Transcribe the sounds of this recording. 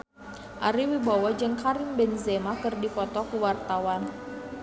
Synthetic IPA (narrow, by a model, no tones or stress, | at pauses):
ʔaɾiwibawɔd͡ʒɨŋkaɾimbɛnzɛmakɨrdipɔt̪ɔkuwart̪awan